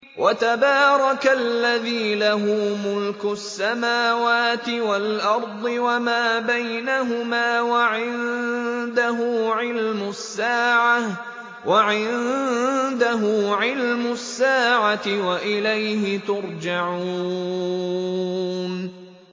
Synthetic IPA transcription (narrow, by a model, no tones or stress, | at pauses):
wʔat̪abɑːɾˤɑkalːaðiːlaɦʊːmʊlkʊsːamaːwaːt̪ɪwalʔɑɾˤd̪ˤɨwamaːbajnaɦʊmaːwaʕɪnd̪aɦʊːʕɪlmʊsːaːʕa | wʔaʕɪnnd̪aɦʊːʕɪlmʊsːaːʕat̪ɪwaʔɪlajɦɪt̪ʊɾˤd͡ʒaʕuː | n